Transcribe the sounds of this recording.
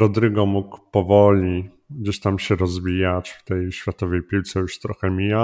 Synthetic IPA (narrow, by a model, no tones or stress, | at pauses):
ɾɔd̪ɾɘɡɔmukpɔvɔlʲi | ɡd͡ʑeɕt̪amɕɛɾɔzvʲijat͡ɕft̪ɛjɕfʲjat̪ɔvɛjpʲiwt̪sɛjuʂt̪ɾɔxɛmʲija